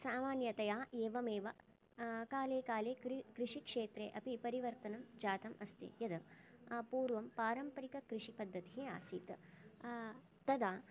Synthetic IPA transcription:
saːmaːnjɐt̪ɐjaːeːʋɐmeːʋɐ | kaːleːkaːleːkkɾɪʂikʂeːt̪ɾḛːʔɐpipɐɾiʋɐɾt̪ɐnɐmd͡ʒaːt̪ɐmɐst̪ḛjɐd̪ɐ | puːɾʋɐmpaːɾɐmpɐɾikɐkɾɪʂipɐd̪ʱːɐt̪iɦeːa̰ːsḭːt̪ | t̪ɐd̪aː

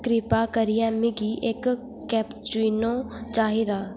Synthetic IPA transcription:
kɾɪpakəɾɪjamɪɡiʔek | kːɛːpt͡ʃwiːnõ | t͡ʃaːɦid̪aː

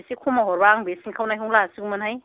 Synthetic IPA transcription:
sikʰumaɦɔɾbaŋbesiŋkʰawnajɦuŋlasiɡumɯnhaj

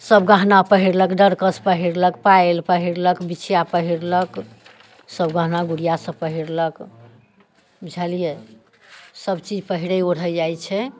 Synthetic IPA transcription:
səbɡãɦnapəɦiɾləkɖəɾkəspəɦiɾlək̚paelpəɦiɾləkbit͡ʃʰjapəɦiɾlək | səbɡãɦnaɡuɽijasə̃pəɦiɾlək | d͡ʒʱalije | səbt͡ʃid͡ʒʱpəɦiɽəoɽɦəd͡ʒajt͡ʃʰɛ

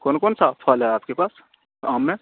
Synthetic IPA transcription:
koːnkoːnsafʰaːlɦɛaːp̚kepaːs | aːmːẽ

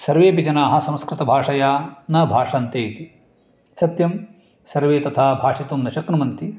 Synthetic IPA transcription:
sɐɾʋeːpid͡ʒɐnaːɦɐ̆sɐ̃mskɾɪt̪ɐbʱaːʂɐjaːnɐbʱaːʂɐːnt̪eːt̪i | sɐt̪jɐm | sɐɾʋeːt̪ɐt̪ʰaːbʱaːʂit̪umnɐʃɐknɐmɐnt̪i

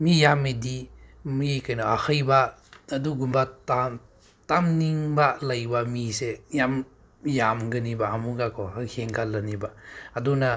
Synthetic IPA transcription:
mijamedimikajnaahʰəjbaːduɡumbata | tamniŋbalajbamisejam | jamɡɯnibaːmuɡakʰɔhaheŋkʰalɐnibaaduna

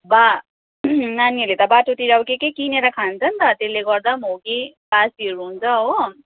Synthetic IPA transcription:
ba | naniʌlet̪ʌbaʈot̪iɾawkekekineɾakʰant͡sʰʌnt̪ʌt̪eleɡʌɾd̪amoke | basiʌɾuɦunt͡sʰʌɦo

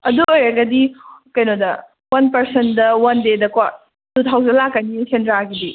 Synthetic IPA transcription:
ɐduojɾɐɡɐdikɐjnodɐ | wɐnpɐɾsendɐwɐndedɐkwa | dutʰawzɐlakːɐnisendɾaɡidi

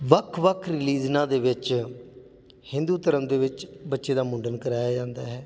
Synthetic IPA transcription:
ʋəkʰʋəkʰɾɪliːd͡ʒnãːd̪eːʋɪt͡ʃ | hɪ̃nd̪uːt̪əɾəmd̪eːʋɪt͡ʃbətːʃeːd̪aːmʊ̃ːɳɖənkəɾaːjaːd͡ʒãːnd̪aːɦɛː

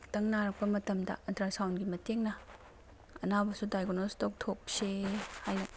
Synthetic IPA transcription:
tɐŋnaɾɐk̚pɐmɐtɐmdɐ̰ɐntɾasawnɡimɐteŋnɐ | ɐnabɐsudajɡonolstok̚tʰok̚sehajnɐ

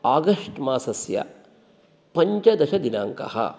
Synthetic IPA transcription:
aːɡɐʂʈmaːsɐsjɐ̰ | pɐɲt͡ʃɐd̪ɐʃɐd̪inaːŋkɐ̰ɦɐ̰

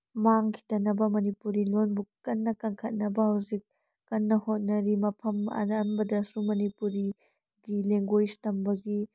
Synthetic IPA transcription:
maŋkʰi̥tɐnɐbɐmɐnipuɾilonbukːɐnːɐkɐŋkʰɐt̚nɐbɐhɐwzik̚ː | ɐnːɐhot̚nɐɾimɐpʰɐmɐ̰nɐnbɐdɐsumɐnipuɾi | ɡileŋɡojstɐmbɐɡi

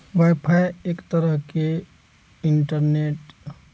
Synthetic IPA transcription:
ʋajpʰajekt̪əɾəɦke | iɳʈəɾneʈ

